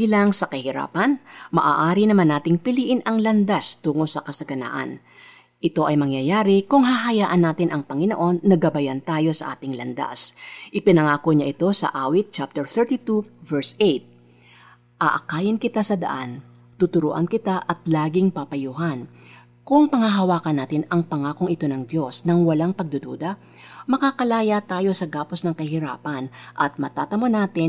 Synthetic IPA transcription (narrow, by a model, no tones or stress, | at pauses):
ilaŋsɐkɐhɪɾa̰ːpɐnmɐʔaːʔaːɾinɐmanːaːt̪ɪŋpɪliːʔɪnʔɐŋlɐnd̪ast̪uːŋolsɐkɐsɐɡɐna̰ːʔɐ̰n | ʔɪt̪o̞ʔɐjmɐŋjɐjaːɾɪkʊŋɦaːɦɐjaːʔɐnːaːt̪ɪnʔɐŋpɐŋɪno̰ʔo̞nːɐɡɐbɐjant̪aːjo̞sɐ̰ʔa̰ːt̪ɪŋlɐnd̪a̰sʔɪpɪnɐŋaːko̞ɲaʔɪt̪o̞sɐ̰ʔaːwɪt̪̚t͡ʃap̚t̪ɛɹθɛɹt̪it̪uvɛɹsejt̪̚ | ʔaʔɐkaːjɪnkɪt̪asɐd̪ɐ̰ʔan | t̪ut̪ʊɾṵːʔɐ̰nkɪt̪aʔɐt̪laːɡɪŋpɐpɐjuɦɐn | kʊŋpɐŋɐɦɐwaːkɐnːaːt̪ɪnɐŋpɐŋaːkoŋɪt̪o̞nɐŋd̪jo̞snɐŋwɐlaŋpɐɡ̚d̪ʊd̪o̰d̪ɐ | mɐkakɐlaːjɐt̪aːjo̞sɐɡaːpo̞snɐŋkɐhɪɾa̰ːpɐnʔɐt̪̚mɐt̪at̪ɐmonaːt̪ɪn